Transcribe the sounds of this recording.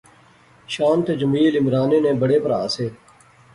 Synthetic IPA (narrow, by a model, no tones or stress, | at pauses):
ʃaːnt̪ed͡ʒɐmiːlɪmɾaːneːnẽːbəɽeːpɐɾa̰ːseː